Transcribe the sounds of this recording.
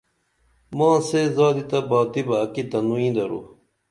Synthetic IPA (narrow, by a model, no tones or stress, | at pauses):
mãːsezaːd̪it̪ɐbaːt̪ibɐːkit̪ɐnuĩːd̪ɐɾṵ